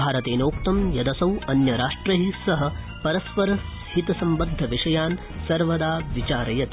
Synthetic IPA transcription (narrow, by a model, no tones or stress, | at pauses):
aːɾɐt̪eːnoːk̚t̪ɐmjɐd̪ɐsɐwɐnjɐɾaːʂʈɾɐɦisɐɦɐ̆ | pɐɾɐspɐɾɐ | hit̪ɐsɐmbɐnd̪ʱːɐʋiʂɐjaːn | sɐɾʋɐd̪aːʋit͡ʃaːɾɐjɐt̪